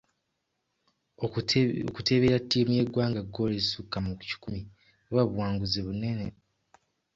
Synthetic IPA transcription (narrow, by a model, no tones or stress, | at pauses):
okute̞βeːɾatːiːmuje̞ɡwaːŋɡaɡo̞lesukːamuku̥ci̥kumi | oβwaβuwaːŋɡuzeβune̞ne̞